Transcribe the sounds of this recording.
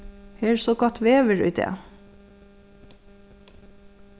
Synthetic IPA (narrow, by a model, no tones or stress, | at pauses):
heːɹsɔkɑt̪ʋeːʋəɹʉ̰d̪ḛː